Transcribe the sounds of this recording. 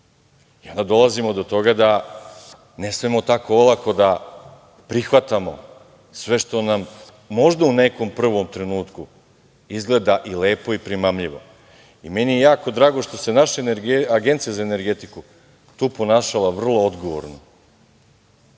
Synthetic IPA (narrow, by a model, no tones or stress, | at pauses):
io̞nd̪ad̪o̞lˠazimo̞d̪o̞t̪o̞ɡad̪a | nesmemo̞t̪akoolˠako̞d̪a | pɾixʋat̪amo̰ | sʋe̞ʃt̪o̞namː | o̞ʒd̪aune̞ko̞mpr̩ʋo̞mt̪ɾe̞nuːt̪ku | izɡle̞d̪aʔileːpo̞ipɾimamʎiʋo̞̰ | ime̞nijejaːko̞d̪ɾaːɡoʃt̪o̞se̞naʃanɡaɡe̞nt̪sijazaene̞ɾɡe̞t̪iku | t̪uːpo̞naːʃalaʋr̩lˠo̞od̪ɡo̞ʋo̰ɾno